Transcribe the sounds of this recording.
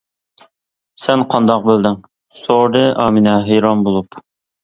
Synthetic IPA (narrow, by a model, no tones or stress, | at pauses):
sɛnqʰɑnd̪ɑq̚bɪld̪ɪŋ | soɾɨʔɑːminɛɦejɾɑmbolˠup